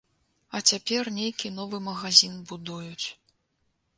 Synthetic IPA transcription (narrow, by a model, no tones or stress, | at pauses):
ɐt͡sʲapʲɛrnʲejkʲinɔvɨmɐɣazʲinbud̪ujut͡sʲ